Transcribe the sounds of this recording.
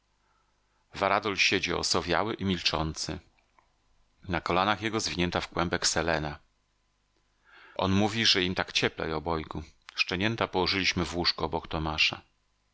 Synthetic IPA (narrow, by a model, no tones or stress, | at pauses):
vaɾad̪ɔlɕed͡ʑiɔ̰sɔvʲja̰wɘʔimʲilt͡ʂɔnt̪sɘ | nakɔlanaxjɛɡɔzvʲiɲɛnt̪afkwɛmbɛksɛlɛna | ʔɔ̰nmuvʲiʐɛimt̪akt͡ɕɛplɛ̰jɔbɔjɡuʂt͡ʂɛɲɛnt̪apɔwɔʐɘlʲiɕmɘvwuʂkɔɔbɔkt̪ɔmaʂa̰